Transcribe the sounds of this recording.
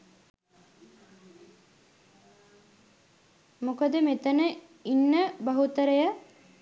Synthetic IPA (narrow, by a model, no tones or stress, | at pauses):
mukəd̪əmet̪ənə | inːəbɐɦut̪əɾəjə